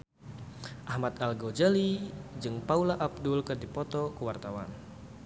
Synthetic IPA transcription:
ʔahmat̪alɡod͡ʒalid͡ʒɨŋpaulaʔab̚dʊlkɨrdipɔt̪ɔkəwart̪awa̰n

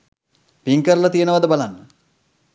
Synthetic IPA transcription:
piŋkəɾəlat̪ijənəʋad̪əbalanːə

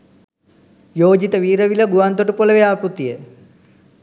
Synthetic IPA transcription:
joːd͡ʒit̪əʋiːɾəʋiləɡuʋant̪oʈupoləʋeaːpɾut̪ije

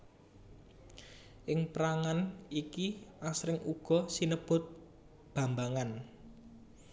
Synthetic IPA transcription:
ʔɪŋpɾaŋanikiʔasɾɪŋʔuɡ̥ɔ̤sinəb̥ʊ̤t̪̚ | b̥ä̤mbaŋan

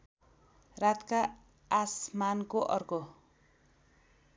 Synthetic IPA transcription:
rat̪kaː | smankoʔʌrko

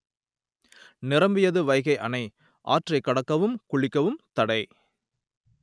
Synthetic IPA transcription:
nɪɾɐmbɪjɐðɯʋɐɪɣɐɪʔɐnɐɪ | ʔa̰ːʈrɐɪkːɐɽɐkːɐʋɯmkʊɭɪkːɐʋɯmt̪ɐɽɐɪ

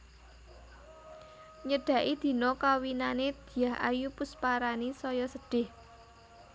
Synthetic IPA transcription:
ɲəɖ̥ä̤ʔid̪̥i̤nɔkawinaned̪̥i̤jaɦʔa̰jupʊspaɾanisɔjɔsəɖ̥ɪ̤h

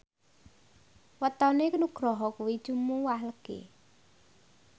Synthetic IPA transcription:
wət̪ɔnekənuɡ̥ɾɔɦɔkuwi̥ʒ̥umuwahləɡ̥ḛ

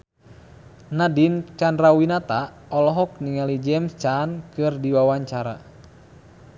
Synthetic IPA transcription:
nadint͡ʃanrawinat̪a | ɔlɔɦɔk̚niŋalid͡ʒɛmst͡ʃankɨrdiwawaɲt͡ʃaɾa̰

